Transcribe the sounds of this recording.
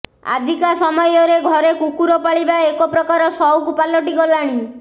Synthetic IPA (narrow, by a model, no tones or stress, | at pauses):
a̰d͡ʒʱikasɔmɔjɔɾeɡʱɔɾekukuɾɔpaɭibaekɔpɾɔkaɾɔsɔwkupalɔʈiɡɔlaɽ̃i